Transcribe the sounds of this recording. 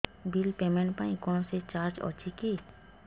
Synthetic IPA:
bilpemeɳʈ̚pãĩkɔnoset͡ɕaɾd͡ʑɔ̰t͡ʃʰiki

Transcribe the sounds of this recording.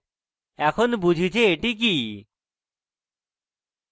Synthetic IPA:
ɛkʰonbud͡ʑʱit͡ɕʰeeʈik̬i

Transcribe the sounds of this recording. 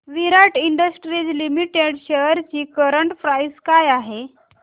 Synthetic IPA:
ʋiɾaʈiɳɖəsʈɾid͡zlimiʈeɽɕejəɾt͡ɕiːkəɾəɳʈfɾajskajaɦe

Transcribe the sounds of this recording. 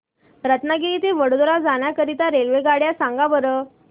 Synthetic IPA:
ɾət̪naɡeit̪eʋəɽod̪ɾad͡zaɳ̃jakəɾit̪aɾelʋeɡaɽjasãŋɡabəɾə

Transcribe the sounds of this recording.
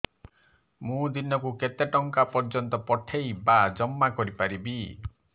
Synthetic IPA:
mũd̪inɔkuket̪eʈɔŋkapɔɾd͡ʒɔnt̪ɔpɔʈʰejbad͡ʒɔmːakɔɾipaɾibi

